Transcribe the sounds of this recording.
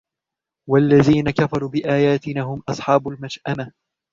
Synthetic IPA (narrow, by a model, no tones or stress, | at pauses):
walːaðiːnakafɑɾˤuːbɪʔaːjaːt̪ɪnaːɦʊmʔɑsˤħɑːbʊlmad͡ʒʔama